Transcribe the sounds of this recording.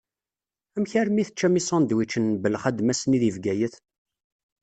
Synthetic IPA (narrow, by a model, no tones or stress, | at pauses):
æmçæɾmiθət͡ʃːæmisɑnd̪wit͡ʃːənbəlχæd̪mæsniðivɡæjəθ